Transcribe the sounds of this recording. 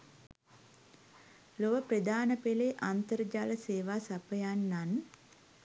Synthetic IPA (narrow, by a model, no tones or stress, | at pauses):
loʋəprəd̪aːnəpeleʔant̪əɾəd͡ʒaːləseːʋaːsapəjanːan